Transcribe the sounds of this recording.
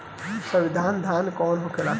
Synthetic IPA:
sɐ̃ʋid̪ʱaːnd̪ʱaːnkɔːnɦokʰelaː

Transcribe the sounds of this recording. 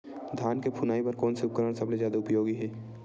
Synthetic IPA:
d̪ʱaːnkepʰʊnaːipɐɾkɔːnseʊp̚kəɾəɽ̃sɐbled͡ʒjaːd̪aʊpjoːɡiɦɛː

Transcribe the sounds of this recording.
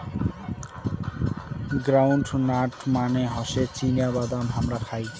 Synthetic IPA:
ɡɾawɳɖnaʈmaneɦɔʃet͡ɕinijabad̪amɦamɾapʰaj

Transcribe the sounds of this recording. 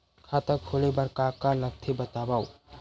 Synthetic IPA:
kʰat̪əkkʰolebəɾkakaləɡ̚t̪ʰebət̪abaw

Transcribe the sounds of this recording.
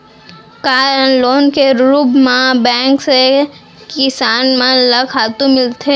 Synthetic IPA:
kaːɾənloːnkeɾɾuːbmãbɛ̃ːŋkse | kɪsaːnmãlɐkʰaːt̪ũmɪlt̪ʰe

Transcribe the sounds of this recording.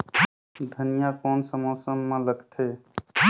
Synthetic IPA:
d̪ʱənijakɔːnsəmoːsəmːẽləɡt̪ʰe

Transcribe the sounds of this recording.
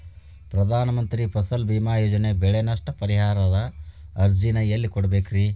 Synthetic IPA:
pɾɐd̪ʱaːnɐmɐnt̪ɾipʰɐsɐlbiːmaːjoːd͡ʒɐne̞bɛɭenɐʂʈɐpɐɾiɦaːɾɐd̪ɐɐɾd͡ʒinɐjɐlːikɔɽɐbeːkɾi

